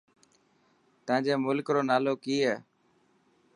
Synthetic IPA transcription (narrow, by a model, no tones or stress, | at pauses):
t̪əʋãːd͡ʒeːmʊlkɾoːnaːloːkiːɛː